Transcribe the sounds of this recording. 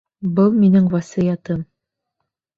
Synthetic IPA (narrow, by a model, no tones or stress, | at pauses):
bɤlˠminɘŋvɑsijɑt̪ɤm